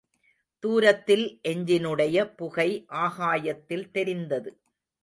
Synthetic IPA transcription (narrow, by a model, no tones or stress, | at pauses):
t̪uːɾɐt̪ːɪlʔɛɲd͡ʒɪnɯɽɐjɐpʊɣɐɪʔaːɣaːjɐt̪ːɪlt̪ɛɾɪnd̪ɐðɯ